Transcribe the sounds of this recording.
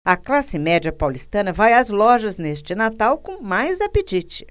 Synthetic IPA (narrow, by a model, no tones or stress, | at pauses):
ɐklasɪmɛd͡ʒiɐpawlist̪ɐ̃nɐvajɐzlɔʒɐznest͡ʃɪnat̪awkõmajzapet͡ʃit͡ʃɪ̥